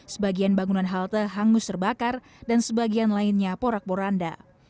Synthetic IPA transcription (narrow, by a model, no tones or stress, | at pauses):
səbaɡianbaŋunanɦalt̪əɦaŋʊst̪ərbakar | dansəbaɡianlainɲapoɾak̚poɾanda̰